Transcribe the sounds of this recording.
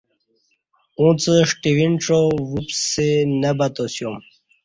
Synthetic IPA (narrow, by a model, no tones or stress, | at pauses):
ũːt͡səʂʈiʋinʈ͡ʂowupsenəbɐt̪osjom